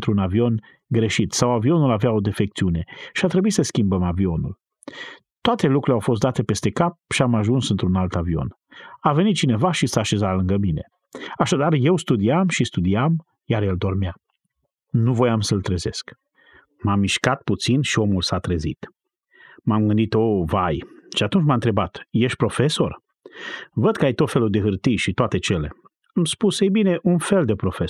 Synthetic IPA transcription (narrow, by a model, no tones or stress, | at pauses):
nt̪ɾunavio̞n | ɡɾe̞ʃit̪sawavio̞nulavao̞d̪e̞fe̞k̚t̪siune̞ʃiat̪ɾe̞buisəskʲimbəmavio̞nṵl | t̪oat̪e̞lukɾuleawfo̞s̬t̪d̪at̪e̞pe̞st̪e̞kap̚ʃiamaʒunsɨnt̪ɾunalt̪avio̞̰n | ave̞nit̪̚t͡ʃine̞vaʃisaːʃe̞zalɨŋɡəmine̞̰ | aʃad̪arje̞wst̪ud̪iamʃist̪ud̪iam | jaɾjeld̪o̞rmea | nuvo̞jamsəlt̪ɾeze̞sk | mamːiʃkat̪̚put̪sinʃio̞mulsat̪ɾezḭt̪ | mamɡɨnd̪it̪o̞vajʃiat̪unt͡ʃmaɨnt̪ɾe̞bat̪je̞ʃt̪̚ʲpɾo̞fe̞so̞r | vəd̪̚kəajt̪o̞t̪fe̞lud̪e̞ɦɨrt̪ijʃit̪oat̪e̞t͡ʃe̞le̞̰ | amspusejbine̞ʔunfe̞ld̪e̞pɾo̞fe